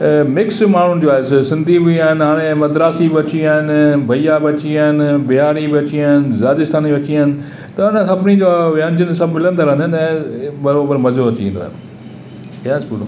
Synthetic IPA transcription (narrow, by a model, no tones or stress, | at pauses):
mɪksmaːɳ̤ʊnɪ̆d͡ʑoaːɦɪsɪsɪ̃nd̪ʱibiiaːɦɪnɪɦaːɽ̃ẽmɐd̪ɾaːsibɪɐt͡ɕiaːɦɪnbʱɐijabɪɐt͡ɕiaːɦɪnbɪaːɾibɪɐt͡ɕiaːɪnɪzaːd͡ʑɪst̪aːniʋɐt͡ɕiaːɦɪnɪ̆ | t̪ɐɐñə̃sɐbɪnid͡ʑoʋɪãːnd͡ʑənsɐbmɪlə̃nd̪aɾɐ̃ənd̪ʱɪnɛ̃bɐɾoːbəɾmɐzoɐt͡ɕiḭ̃ːnd̪oa̰ː | kaːspuɖo